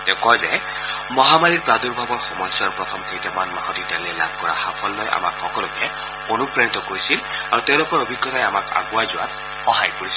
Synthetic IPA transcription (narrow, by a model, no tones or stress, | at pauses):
tɛʊ̃kɔjzɛ | mɔɦamaɹiɹpɹaduɹbʱabɔɹxɔmɔjsaɹpɹɔt̪ʰɔmkejtamanmaɦɔtitaliɛla̰b̚ʱkɔɹa̰xapʰɔlːɔjʔa̰ma̰kxɔkɔlʊkɛ | onupɹenitɔkoɹisilaɹutɛʊ̃lʊkɔɹobʱiɡːɔtajamaka̰ɡʊwajzʊwa̰t̚ | xɔhajkoɹisi